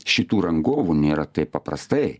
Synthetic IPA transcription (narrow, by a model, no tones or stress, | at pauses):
ʃit̪uɾɐŋɡoʋunʲeɾɐt̪epɐpɾɐ̰st̪e